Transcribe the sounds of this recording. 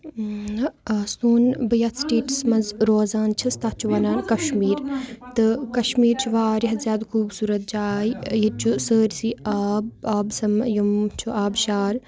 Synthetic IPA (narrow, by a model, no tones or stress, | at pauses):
nɐɐsuːnbɐjɐt̪sʈeːʈsmɐnzɾoːzaːnt͡ʃʰɐst̪ɐt͡ʃʰuʋɐnaːnkɐʃmiːɾt̪ɨkɐʃmiːɾt͡ʃʰuʋaːɾiɦɐzjaːd̪kʰuːbsuːɾɐt̪̚d͡ʒaːjijit͡ʃʰusəːɾsiaːb̚aːbsɐmjumt͡ʃʰuaːbʃaːɾ